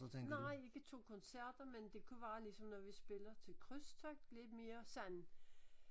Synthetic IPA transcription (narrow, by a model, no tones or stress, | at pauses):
t͡sʰennɑ̈ɪ̰e̝ɡ̥ət͡sʰo̝̰ːkʰɒ̽nsæɐ̰d̥ɐmend̥e̝kʰuʋæːlisɒ̽mnɒʋisb̥e̝lɐt͡sʰe̝lkʰʁœst͡sʰɒɡ̥le̝d̥me̝ːɐsæn